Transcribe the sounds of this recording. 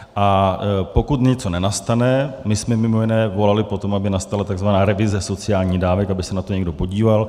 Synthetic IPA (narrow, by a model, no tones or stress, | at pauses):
ʔapo̞kut̪ɲɛt͡so̞nɛnast̪anɛmɪsmɛmɪmo̞jɪnɛːvo̞lalɪpo̞t̪o̞mabɪnast̪alat̪aɡzvanaːɾɛvɪzɛso̞t͡sɪjaːlɲiːdaːvɛkabɪsɛnat̪o̞ɲɛɡ̚do̞po̞ɟiːval